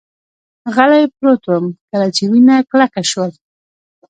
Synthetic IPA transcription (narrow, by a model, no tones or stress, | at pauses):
ɣalajpɾot̪wəmkəlat͡ʃewinaklakaʃwəl